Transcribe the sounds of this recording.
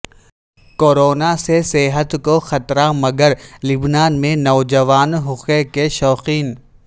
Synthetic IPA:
koːɾoːnaseseɦət̪koxɐt̪ɾamɐɡəɾlɪbnaːnmẽnɔːd͡ʒɐʋaːnɦʊxekeʃɔːqiːn

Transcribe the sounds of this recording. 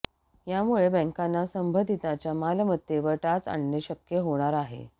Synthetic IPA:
jamuɭebə̃ŋkanːasəmbʱəd̪ʱit̪at͡ɕjamalmət̪ːjeʋəɾʈat͡sa̰ɳːəɕəkjəɦoɽ̃aɾaɦḛ

